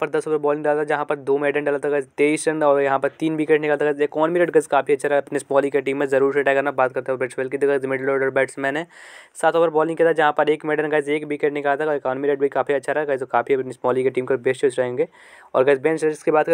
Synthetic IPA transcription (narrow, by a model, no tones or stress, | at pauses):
pɐɾd̪ɐsʊpəɾbɔːlɪ̃ŋɖaːlat̪ːd͡ʒɐɦãpɐɾd̪oːmeːɖəɳɖaːlat̪aɡazt̪eːisɾɐɳɖɔːɾjɐɦãpɐɾt̪iːnbiːkeʈnɪkalt̪ʰaɡzeːkɔːnmiɾeːɖɡɐzkaːpiɐtːʃʰaɾɐɦɐpnesmɔːlikeʈiːmːẽzɐɾuːɾʃeʈakɐɾnabaːt̪kɐɾt̪eɛbeːʈselkid̪iɡɐzmɪɖloːɾɖəɾbɛːʈsmɛːnesaːt̪ʊpəɾbɔːlɪ̃ŋɡkjat̪ːd͡ʒɐɦãpɐɾeːkmeːɖəɾnɡaːɪzeːkbiːkeʈnɪkalt̪aɦɔːɾekɔːnmiɾeːɖbikaːfiɐtːʃʰaɾɐɡaːɪzkaːpʰiɐpnismɔːlikeʈiːmkebeːst͡ʃoːt͡ʃɾɐẽːŋɡeː | ɔ̰ːɾɡɐzbeːnseɪskibaːt̪̚kɐ